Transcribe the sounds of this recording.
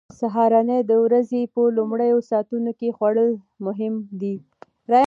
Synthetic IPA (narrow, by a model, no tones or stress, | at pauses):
saɦɑɾɑned̪əwɾazepəlʊmɽəjosɑt̪unokexwaɽəl | mʊɦɪmd̪i | ɾɑj